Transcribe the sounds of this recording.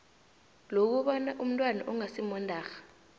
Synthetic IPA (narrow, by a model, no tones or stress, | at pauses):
lok̬uɓanaʔum̩ntʼwana̰ʔuŋasimɔndʱaːxḁ